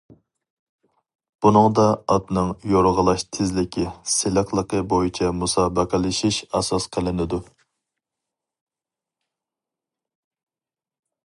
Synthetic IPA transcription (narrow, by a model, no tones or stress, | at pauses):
b̥unɨŋd̪ɑɑt̪nɨŋjoɾʁəlˠɑʃt̪ʰɪzlɪkʲʰisɪləqlˠəqəbojit͡ʃʰɛmusɑːbəqʰəlˠɪʃiʃɛsɑsqʰəlˠɪnɪd̪u